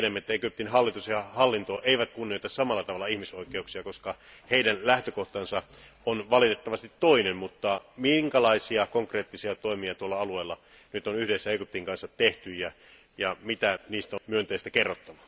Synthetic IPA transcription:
nemːæet̪ːæekyp̚t̪inhɑlːit̪usjɑhɑlːint̪oʔeˑiʋæt̪kunːioˑit̪ɑssɑmɑlːɑt̪ɑʋɑlːˑɑihmisoikˑeuksiɑkoskɑheidænlæht̪økoht̪ɑnsɑ | onʋɑlit̪et̪ːɑʋɑst̪it̪ːoinemmut̪ːɑmiŋkɑlɑisiɑkoŋkreːt̪ːisiɑt̪oˑimiɑt̪uolːɑɑlueːlːɑ | nyt̪onyhdesːæekyp̚t̪iŋkɑnsːɑtt̪eht̪yjæ | jɑmit̪æniːst̪æmyønt̪eːˑist̪ækerːot̪ːɑʋɑ

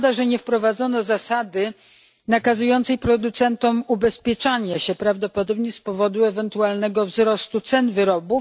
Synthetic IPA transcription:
d̪aʐɛɲɛfpɾɔvad̪zɔnɔzasad̪ɘ | nakazujɔnt̪sɛjpɾɔd̪ut̪sɛnt̪ɔmubɛspʲjɛt͡ʂaɲɛɕɛpɾavd̪ɔpɔd̪ɔbɲɛspɔvɔd̪uɛvɛnt̪ualnɛɡɔvzɾɔst̪ut̪sɛnvɘɾɔbu

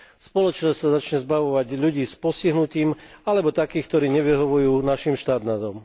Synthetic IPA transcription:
spɔlɔt͡ʃnɔssazat͡ʃɲɛzbaʋɔʋaɟʎuɟiːspɔsciɦnuciːmalɛbɔt̪akiːxk̚t̪ɔɾiːɲɛʋiɦɔʋujuːnaʃimʃt̪aːt̪nad̪ɔm

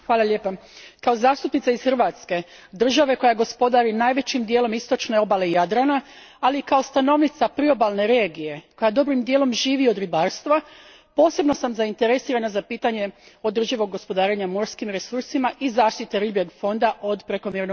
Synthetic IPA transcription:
xʋaːlaʎe̞ːpa | kao̞zaːst̪upnit̪saizxrʋaːt̪ske | d̪r̩ʒaʋe̞ko̞jaɡo̞spo̞d̪aɾinaːjʋe̞t͡ɕimd̪jelo̞mist̪o̞t͡ʃne̞o̞bale̞ijad̪ɾana | aliːkao̞st̪ano̞ʋnit̪sapɾio̞balne̞ɾe̞ːɡije̞ko̞jad̪o̞bɾimd̪jelo̞mʒiːʋio̞d̪ɾibaːɾst̪ʋa | po̞ːse̞bno̞samzaint̪e̞ɾe̞siːɾanazapiːt̪aɲe̞o̞d̪r̩ʒiʋo̞ɡːo̞spo̞d̪aːɾeɲamo̞ɾskimɾe̞suɾsimaʔizaːʃt̪it̪e̞ɾibje̞ɡfo̞nd̪aʔo̞d̪pɾe̞ko̞mjeɾno

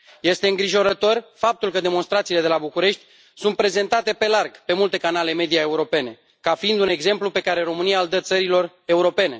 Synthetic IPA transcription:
je̞st̪eɨŋɡɾiʒo̞ɾət̪o̞rfap̚t̪ulkəd̪e̞mo̞nst̪ɾat̪sile̞d̪e̞labukuɾe̞ʃt̪ʲ | sunt̪̚pɾe̞ze̞nt̪at̪e̞pe̞larɡpe̞mult̪e̞kanale̞me̞d̪ijae̞uɾo̞pe̞ne̞ | kafiind̪une̞ɡze̞mplupe̞kaɾe̞ɾo̞mɨnijald̪ət̪səɾilo̞r | e̞uɾo̞pe̞ne̞̰

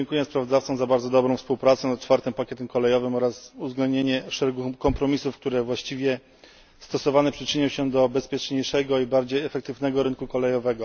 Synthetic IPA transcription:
ɛŋkujɛspɾavɔd̪aft̪sɔ̃zabaɾd̪zɔd̪ɔbɾɔw̃fspuwpɾat̪sɛnat̪̚t͡ʂfaɾt̪ɘmpakʲjɛt̪ɛmkɔlɛjɔvɘmɔɾasuzɡlɛ̃nd̪ɲeɲɛʂɛɾɛɡukːɔmpɾɔmʲisufk̚t̪uɾɛvwaɕt͡ɕivʲjɛ | st̪ɔsɔvanɛpʂɘt͡ʂɘɲɔwɕɛd̪ɔbɛspʲjɛt͡ʂɲejʂɛɡɔibaɾd͡ʑejɛfɛk̚t̪ɘvnɛɡɔɾɘnkukɔlɛjɔvɛɡɔ

